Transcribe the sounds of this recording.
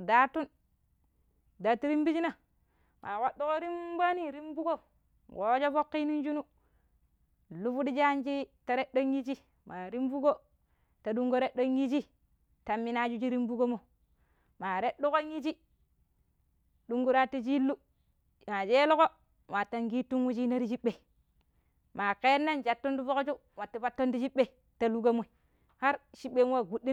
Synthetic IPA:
da˦tu˦n | da˨ti˦ɾi˦mbi˦d͡ʒi˦na˦˨ | mʔa˨wa˦ɗu˦ko˦ɾi˦mba˦ni˦ɾi˦mbu˦ɡo˦ | wo˦d͡ʒo˦fo˦kːi˦ni˦nd͡ʒu˦nu˦˨ | lu˦fu˦di˦d͡ʒa˦nd͡ʒi˦ta˦ɾe˦ɗo˦ɲji˦t͡ʃi˦ | ma˨ɾi˦mbu˦ɡo˦ | ta˨du˦ŋɡo˦ɾe˦ɗo˦nji˦d͡ʒi˦ | ta˨mːi˦na˦d͡ʒu˦d͡ʒi˦ɾi˦mbu˦ɡo˦mo˨ | ma˨ɾe˦ɗu˦ko˦ŋi˦t͡ʃi˦ | du˨ŋɡu˦ɾa˦ti˦d͡ʒi˦lu˦ | ma˨d͡ʒe˦lu˦ko˦ | wa˨tːa˨ŋɡi˦tu˦nwu˦t͡ʃi˦na˦ɾi˦d͡ʒi˦ɓe˨ | ma˨ke˦nːa˦nd͡ʒa˨tːo˦ndu˦fo˦ko˦t͡ʃu˦ | wa˨tːi˨fa˦tːo˦ndi˦d͡ʒi˦ɓːe˦˨ | ta˨lu˦ɡa˦mo˨i˨ | ha˦ɾʃi˦ɓːe˦nwa˦˨ɡu˦dːi˦

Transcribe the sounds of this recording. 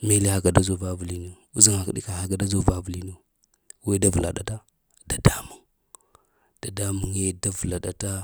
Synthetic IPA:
me˦le˦ha˨ɡa˨da˦zo˨va˦vu˨li˨no˦ | u˦zi˨ŋa˨kɗḭ˦ka˨ha˨ɡa˨da˦zo˦˨va˦vu˨li˦no˦ | we˦da˦vu˨la̰˨ɗa̰˨ta˦ | da˨da˦mu˨ŋ | d̥a˨da˦mu˨ŋe˦da˦vu˨la˨ɗa˨ta˦

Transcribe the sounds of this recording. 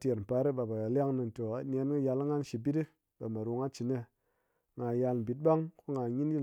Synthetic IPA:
te˨ɾm̩˨pa˨˧˦ɾi˦ɓa˨ba˨ja˨lʲa˦ŋni˧n˨to˨a˨n˦e˧˦n˦ki˦ja˧la˦ŋa˦n˦ʃi˨˧bi˦ti˦ | ɓa˨ma˨ɾu˧ŋa˦t͡ʃi˨ne˧ | ŋa˨ja˧lm̩˨bi˨t̚ɓa˦ŋko˦ŋa˨ɲi˦n˦i˦

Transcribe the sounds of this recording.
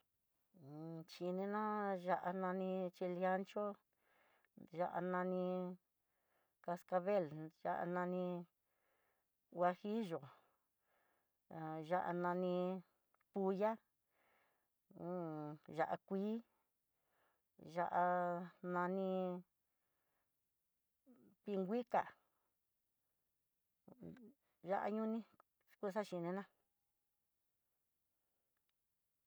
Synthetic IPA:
t͡ʃi˧nẽ˧nã˦ʒa˧ʔa˧nã˧nĩ˧t͡ʃi˧lja˧˦nt͡ʃo˦ | ʒa˧ʔa̰˧nã˧nĩ˧ | ka˧ska˧βe˦˨lʒa̰˦ʔa̰˧nã˧nĩ˧ | wa˧hi˦ʒo˨ | ʒa˦˧ʔa̰˧nã˧nĩ˧ | pu˧ja˦ | ʒa˧ʔa˧kʷiː˦ | ʒa˧ʔa˧nã˧nĩ˧ | pi˧ŋɡʷi˦ka̰˨ | ʒa˦ʔa̰˧ɲũ˦nĩ˧ | ku˦˧sa˦ʃi˧nẽ˧nã˦

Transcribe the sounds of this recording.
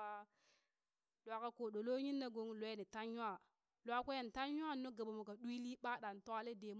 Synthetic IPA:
a˦ | ɗwa˨ka˨ko˨ɗo˨lo˦ɲi˦nːa˦ɡo˨˦ŋ˦lo˨je˦ni˨ta˦nɲu˦a˨ | lwa˦kʷe˦je˨n˨ta˦nɲ˦a˦˨no˦ɡa˨ɓa˨mo˨ka˨ɗu˦i˦li˦ɓa˦ɗa˨n˨to˦a˦le˦de˨m

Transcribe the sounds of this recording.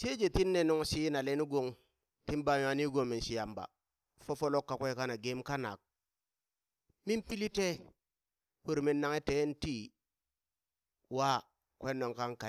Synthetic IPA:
t͡ʃe˦d͡ʒe˨ti˦nːe˨no˦ŋsi˦na˨le˦ni˦ɡo˨ŋ | ti˦nba˨ja˨˦ni˦ɡo˨ŋmi˨nʃi˨ja˨mba̰˨ | fo˦fo˦lo˦kːa˨kʷe˦ka˦na˨ɡe˦mka˦na̰˨k̚ | mi˦npi˦li˦te˦ | hu˦ɾmi˦nːa˦ŋe˦te˦nti˦ | wa˦ | kʷe˦no˨ŋka˦ŋka˨

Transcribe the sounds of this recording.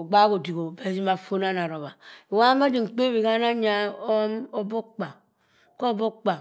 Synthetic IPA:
o˨ɡ͡ba˦ko˨di˨ɡo˨be˨˦zi˦ma˨fo˦na˦na˨ɾo˨βa˨wa˦a˦d͡ʒi˨ŋ͡m̩˨k͡pe˦bi˨ka˦na˦ɲa˦o˦mo˦bo˦k͡pa˨ | ko˦˨bo˦k͡pa˨

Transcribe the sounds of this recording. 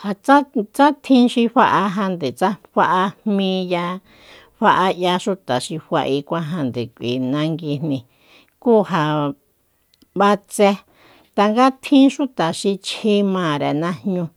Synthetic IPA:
ha˧t͡sa˦t͡sa˦t̪ʰĩ˦ʃĩ˧ɸa˧ʔa˧ɦã˧nd̪e˨t͡sa˦ɸa˧ʔa˧hmĩː˧ja˧ | ɸa˧ʔa˧ja˧ʃu˦t̪a˨ʃĩ˧ɸʷa̰˧ʔi˧kʷã˦ɦa˧nd̪e˨kʷḭ˨nã˧ŋɡi˧n̥nĩ˧ | kuː˦ɦa˧ | βa˧t͡se˧ | t̪a˧ŋɡa˦t̪ʰĩ˦ʃu˦t̪a˨ʃĩ˧t͡ʃi˧˦mãː˨ɾe˨nã˦hɲũ˧

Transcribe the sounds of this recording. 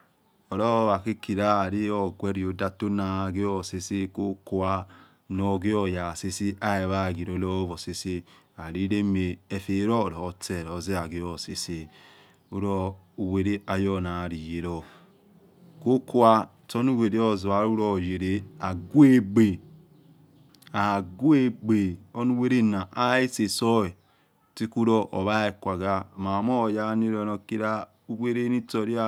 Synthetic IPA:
o˨ɾɔ˦βa˨ki˦ki˨ɾa˦˨ɾi˦ɔ˦˨ɡʷe˦ɾi˨o˨˦da˦to˦na˨ɡe˦ɔ˦˨se˦se˦ko˦ku˦a˦ | no˨˦˨ɡe˦ɔ˨ja˨se˦si˦a˦e˨βa˦˨ɡi˨ɾo˨˦lɔ˦vo˨se˦se˦ | a˨ɾi˦ɾe˦me˨e˨fe˨˦ɾɔ˦˨ɾɔ˨˦te˦˨ɾo˨˦ze˦a˨ɡe˦ɔ˨se˨se˦ | u˦ɾɔ˦u˨we˨ɾe˦a˨jɔ˦˨na˨ɾi˨je˨ɾɔ˦ | ko˦ku˦a˦˨to˦nu˦we˨ɾe˦o˦zu˨a˨˦ɾu˦ɾo˦˨je˨ɾe˦a˨ɡwe˦ɡ͡be˨ | a˨ɡu˦e˦˨ɡ͡be˨o˦nu˦we˦ɾe˦na˨ʔa˦e˦se˨so˦e˨ | ti˦ku˦ɾo˦ʔo˨βa˦e˨kʷa˨ɡa˦˨ma˨mo˦˨ja˦ni˦ɾo˨no˨ki˦ɾa˦ | u˦we˦ɾe˦ni˦to˦˨ɾi˦a˦

